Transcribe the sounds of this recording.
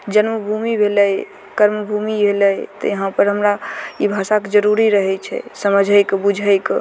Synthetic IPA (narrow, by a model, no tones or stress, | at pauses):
d͡ʒənməbʱumibʱeləj | kəɾməbʱumibʱeləjt̪ɔ̰jəɦãpəɾɦəmɾaibʱasaked͡ʒəɾuɾiɾəɦɛt͡ʃʰɛ̰səməd͡ʒʱəjkbud͡ʒʱəjk